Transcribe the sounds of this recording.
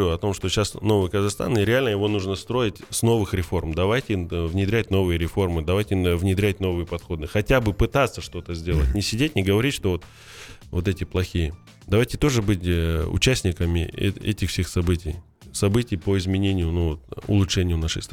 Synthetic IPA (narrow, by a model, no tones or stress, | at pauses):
uɐt̪o̞mʂt̪o̞ɕasno̞vɨjkəzɐxst̪a̰nɪɾʲɪalʲnəjɪvo̞nuʐnəst̪ɾo̞jɪtʲsno̞vɨxɾʲɪfo̞rmd̪ɐvajtʲɪvnʲɪd̪ɾʲætʲno̞vɨjəɾʲɪfo̞rmɨd̪ɐvajtʲɪvnʲɪd̪ɾʲætʲno̞vɨjəpɐt̪xo̞d̪ɨxɐtʲabɨpɨt̪at̪sːəʂt̪o̞t̪əzʲdʲe̞lˠətʲnʲɪsʲɪdʲet̚ʲnʲɪɡəvɐɾʲitʲʂt̪o̞vo̞t̪ | vo̞t̪̬ɛtʲɪplˠɐxʲijə | d̪ɐvajtʲɪt̪o̞ʐɨbɨtʲʊ̰t͡ɕæsʲnʲɪkəmʲɪ̰ɛ̰tʲɪxfsʲexsɐbɨtʲɪj | sɐbɨtʲɪjpoɪzmʲɪnʲenʲɪjʊnuvot̪ʊ̰lˠʊʂɛnʲɪjʊnaʂɨ̰s